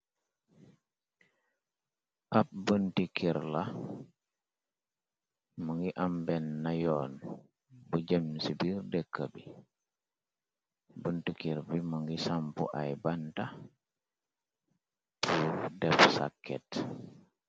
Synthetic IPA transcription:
ʔap̚bəntikiɾla | məŋɡiʔambɛnːajoːn | buɟəmsibirdɛkːəbi | bəntikiɾbiməŋɡisampṵʔa̰jbanta | pʰudɛpsa̰kːɛt

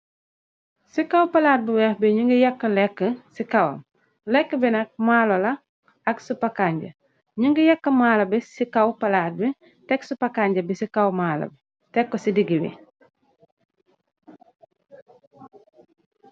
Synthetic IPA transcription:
sikawpɐlaːt̚biwɛːhbiɲuŋɡijɐkːəlɛkːəsikɐwɐ̰m | lɛkːəbinɐk̚maːlolɐ | ɐksupakaːɲɟɐ̰ | ɲuŋɡijɐkːəmaːlɐbisikawpalaːt̚bi | tɛksupakaɲɟɐbisikawmaːlɐ̰bi | tekːosidiɡibḭ

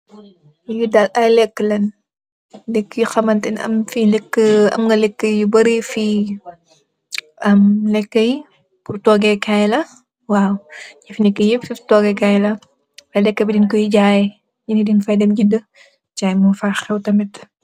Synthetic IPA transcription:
judalʔɐjlɛkːəlɐn | lɛkːjuxɐmɐntɛnɐ̰mfilɛkːəɐ̰mŋɡɐlɛkːəjubɐɾifi | ɐmlɛkːəj | purtɔːɡɛkajlɐ | waːwɲɐfinɛkːijififtɔɡɛkajlɐ | fɐjlɛkːəbidinkɔjiɟaːjɛ | jinidinfajdɛmd͡ʒidə | d͡ʒajmufaxɛwtɐmɛt

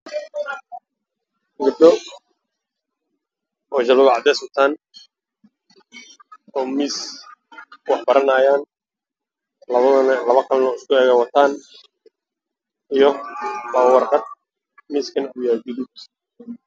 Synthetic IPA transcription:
ɡɐb̚ɖɔ | ɔːt͡ʃɐlʊɣʕɑd̪ɛːsʊt̪ʰaːn | ɔːmiːs | wɑħbɐɾɐnaːjaːn | lɐβɐðɐnlɐβɐkʰɐlnɔːɪskʰʊɛːɣɛwɑt̪ʰaːn | ijɔbaːwɑrqɑd̪̚ | miːskʰɐnʊjad͡ʒʊðud̪

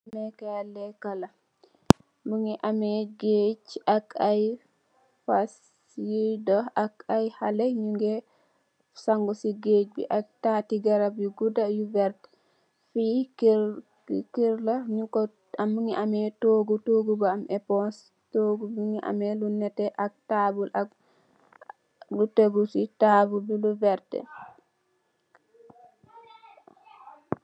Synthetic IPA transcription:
mɛkaalɛkala | mbuŋiʔamɛɡet͡ʃʔakaj | fas | idɔakajhalɛɲuŋɡɛ | saŋɡusiɡed͡ʒbḭʔak̚tatiɡaɾabiɡudajuvɛɾt | fik | kiɾlaɲukɔ | amŋiʔamɛtoɡutoɡubaamʔɛpɔns | toɡubiŋiʔa̰mɛlunːɛtɛʔak̚tabulʔak | luteɡutitabulbiluvɛɾtɛ̰

